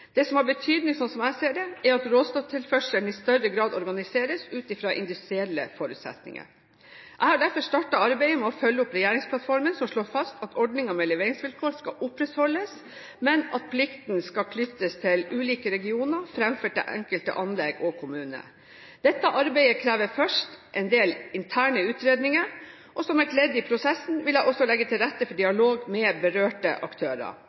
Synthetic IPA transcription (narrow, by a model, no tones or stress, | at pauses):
d̪̥ɛsɔmhɑɾbət̪ʰyːd̪nɪŋsɔnsɔmæseːɖɛæɾɑt̪ɾoːst̪oːt̪ʰɪlfœʂəɳ̩ɪst̪œɾəɡɾɑːd̪ɔɾɡɑnɪseːɾəsʉːt̪ɪfɾɑːʔɪ̰nd̪ʉst̪ɾɪɛlːə̰fɔɾʉ̰ːt̪sɛ̰t̪nɪ̰ŋə̰ɾ | ʔæɪhɑɖæɾfɔʂt̪ɑʈɑɑɾbæɪəmɛɔfœlːəʊpɾɛjæːɾɪŋspʰlɑt̪fɔɾmənsɔmʂɭoːɾfɑst̪ʰɑt̪ʰɔɖnɪŋəmɛlɛʋeːɾɪŋsʋɪlkʰoːɾskɑʔʊpɾɛt̪hɔlːəs | mɛnɑt̪̚pʰlɪkt̪n̩skɑkʰlʏt̪ːəst̪ʰɪlʉːliːkəɾɛɡɪuːnəɾfɾɛmføːʈɪ̰lʔɛ̰ŋkəlt̪ə̰ʔɑnlɛɡɔkʰʊmʉːnə̰ | d̪̥ɛt̪ːəʔɑɾbæɪəkʰɾæːʋəɾfœʂʈʔɛɪnd̪eːlɪnt̪ʰæːɳəʉːt̪ɾeːd̪nɪŋəɾ | ʔɔsɔmæʈlɛd̪ɪpʰɾʊsɛsːn̩ʋɪlæɪʔɔsːɔlɛɡːət̪ʰɪlɾɛt̪ːəfɔɖɪɑloːɡmɛbəɾøːʈə̰ʔɑkt̪ʰøːɾə̰